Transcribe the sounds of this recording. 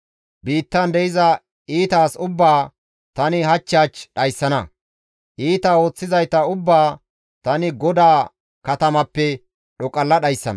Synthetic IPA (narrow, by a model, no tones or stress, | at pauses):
biːt̪ːɐnd̪ɛʔɪzɐ | iːt̪aːsʊbːaː | t̪ɐnɪɦɐt͡ʃːaːt͡ʃɗɐjsːɐnɐ | ʔiːt̪ao̞ːt͡sːɪzɐjt̪ːɐʊbːaː | t̪ɐnɪɡɔd̪aː | kɐt̪ɐmɐpːɛ | ɗɔkʼɐlːɐɗɐjsːɐ̰nɐ